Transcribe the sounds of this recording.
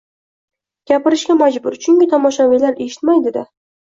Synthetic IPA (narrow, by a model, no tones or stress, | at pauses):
ɡʲapɪɾɪʃkʲamad͡ʒbʊɾt͡ʃʰʊŋɡʲɪt̪ʰɒmɒʃavilaɾe̞ʃɪ̥t̪majd̪ed̪ɪ